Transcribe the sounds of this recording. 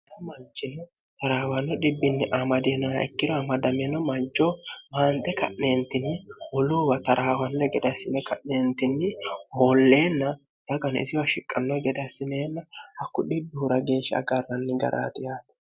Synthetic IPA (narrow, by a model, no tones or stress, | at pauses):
ɾɐmɐnt͡ʃːɪnːɔ | t̪ɐɾaːwɐnːɔɗɪbːɪnːɪʔamɐd̪enːɔnɐ̰ɛ̰kːɪd̪ɔɐmɐd̪ɐmenɔmɐnt͡ʃʼːomaːnt̪ʼɛkɐ̰ʔne̞ːnt̪ːɪnːɪwɔluːwɐt̪ɐɾʔaːwɐnːɔɡɛd̪ɐsːɪnɛkɐʔneːnt̪ːɪnːɪhoːlːe̞ːnːɐ | d̪̥ɐɡɐnɪ̰sɪjɔɐʃɪkʼːɐnːɔɡɛd̪ɐsːɪneːnːɐhɐkːʊɗɪbːɪhʊɾɐɡe̞ːʃːɐ̰ɡɐrːɐnːɪɡɐ̰ɾa̰ːt̪ɪjaːt̪ɛ̥